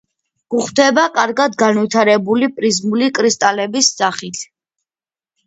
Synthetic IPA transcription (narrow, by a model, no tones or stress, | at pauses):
ɡ̥uχd̪ɛbakʼaɾɡad̪ɡanvit̪ʰaɾɛbulipʼɾizmulikʼɾist̪ʼalɛbisz̥aχit̪ʰ